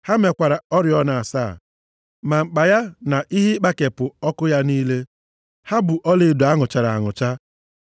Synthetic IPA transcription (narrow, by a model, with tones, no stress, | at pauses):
ha˦me˨kʷa˨ɾa˨ɔ˦ɾɪ˨ɔ˦na˨a˨sa˦˨ | ma˨ŋ͡m̩˨k͡pa˨ja˦na˨ʔi˦ɦi˦k͡pa˦ke˨pʊ˨ɔ˦kʊ˦ja˦niː˦le˦ | ha˦bʊ˨ʔɔ˦le˨dʊ˨a˦ŋʊ˨t͡ʃa˨ɾa˨a̰˨ŋʊ˨t͡ʃa˦